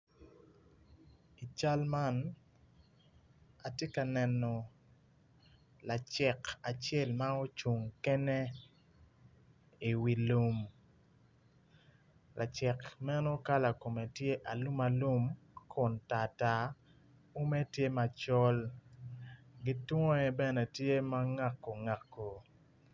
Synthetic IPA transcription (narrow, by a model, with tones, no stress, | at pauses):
i˨t͡ʃa˦lma˦n | a˨tje˦ka˨nɛ˨nɔ˨ | la˨t͡ʃɛ˨ka˨t͡ʃɛ˦˨lma˦o˦t͡ʃu˨ŋkɛ˦ne˦ | i˨wi˨lu˦m | lʔa̰˨t͡ʃɛ˨kmɛ˦no˦ka˦la˨ko˨me˨tje˦ʔa˨lu˦ma˨lu˦mkʰʊ˨nta˨ta˨ | o˦me˦tje˦ma˨t͡ʃɔ˦l | ɡi˦twɔ˦ɛ˦bɛ˦nɛ˨tje˦ma˦ŋa˦kːo˨ŋa˨kːo˨